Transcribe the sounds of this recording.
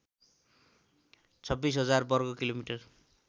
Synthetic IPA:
t͡sʰʌbːisɦʌd͡zarbʌrɡʌkilomiʈʌr

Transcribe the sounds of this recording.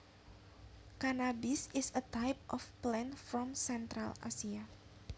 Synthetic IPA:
kanabisɪsət̪ajp̚ʔɔfplɛ̃nfɾɔmsɛnt̪ɾala̰sia

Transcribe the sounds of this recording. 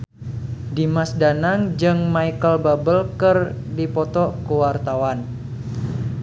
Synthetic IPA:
dimasdanaŋd͡ʒɨŋmajkəlbabəlkərdipɔt̪ɔʔkəwart̪awan

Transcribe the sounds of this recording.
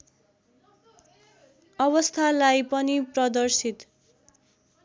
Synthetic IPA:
ʌβʌst̪ʰalajpʌniprʌd̪ʌrsit̪

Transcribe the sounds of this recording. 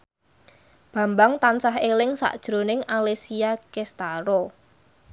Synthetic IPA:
b̥ä̤mbaŋt̪ansaɦelɪŋsa̰ʔd̥ʒ̥ɾo̤nɪŋalesiakest̪aɾɔ

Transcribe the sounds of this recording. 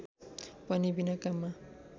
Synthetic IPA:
pʌnibinakama

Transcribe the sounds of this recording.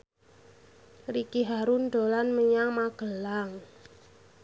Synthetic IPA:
rikiɦaɾundo̤lanməɲaŋmaɡ̥ə̤laŋ

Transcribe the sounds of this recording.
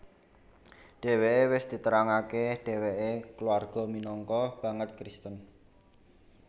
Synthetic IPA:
ɖ̥e̤weʔewɪsd̪̥i̤t̪əɾaŋakeɖ̥e̤weʔekluarɡ̥ɔ̤minɔŋkɔb̥a̤ŋət̪̚kɾist̪ən

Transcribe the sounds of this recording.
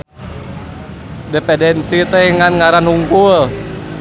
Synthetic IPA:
depɛdɛnsit̪ɛhŋanŋaɾanhuŋkul

